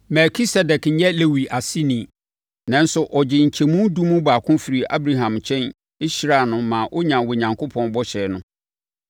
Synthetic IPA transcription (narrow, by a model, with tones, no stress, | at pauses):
mɛ˨ɾkʰi˦sɛ˨dɛ˨kn̩˨˦jɛ˦le˦wi˨ʔa˨si˦nĩ˨ | nã˦n˦sʊ˨ʔɔ˨d͡ʑɪ˨ɲ̩˨t͡ɕʰɛ˨mũ˦du˦mũ˦baː˨kʰʊ̃˦fi˨ɾi˨ʔa̰˦bɾa˦ɦã˨mt͡ɕʰɛ̃˦n | i˦ɕɾa˨nʊ̃˦mã˨ʔo˦ɲã˨wɔ˨ɲã˨ŋkʰo˦pʰɔ̃˦nbɔ˦ɕɛː˨nʊ̃˦